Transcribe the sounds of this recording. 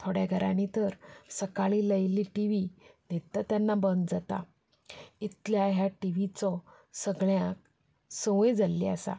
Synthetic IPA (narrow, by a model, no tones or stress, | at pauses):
t̪ʰoɽjaɡʱəɾʔanit̪əɾsəkaɭiləjliʈiʋinet̪ət̪janːabənd̪d͡zat̪a̰ | it̪ljaɦjaʈiʋit͡sɔ | səɡɭjãk̚ | səʋjd͡zalːiasa̰